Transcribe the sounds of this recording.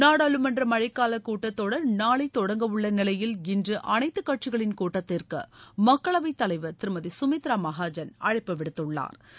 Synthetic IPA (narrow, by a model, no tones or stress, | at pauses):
naːɽaːlɯmɐndrɐmɐɻɐɪkːaːlɐkːuːʈːɐt̪ːoːɽɐɾnaːɭɐɪt̪ːɔɽɐŋɡɐʋɯɭːɐnɪlɐjɪlɪndrɯʔɐnɐɪt̪ːɯkːɐʈ̚t͡ʃɪɣɐɭɪnkuːʈːɐt̪ːɪrkɯ̰mɐkːɐɭɐʋɐɪt̪ːɐlɐɪʋɐɾt̪ɪɾɯmɐðisʊmɪt̪ɾaːmɐɣaːd͡ʒɐnɐ̰ɻɪpːɐʋɪɽɯt̪ːɯɭːa̰ːɾ